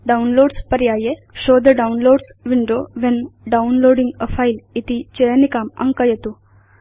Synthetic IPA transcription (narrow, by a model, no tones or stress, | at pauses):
ɖaunloːɖspɐɾjaːjeʃoːd̪əɖaunloːɖsʋiɳɖoːʋenɖawnloːɖĩŋɡəfailit̪it͡ʃejənikaːmɐ̰̃ŋkəjet̪u